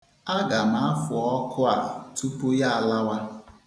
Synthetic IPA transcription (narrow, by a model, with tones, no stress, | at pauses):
a˦ɡa˨ma˨˦a˦fʊ˨ɔ˦kʰʊ˦a̰˨tu˦pu˦ja˦a˨la˦wa˦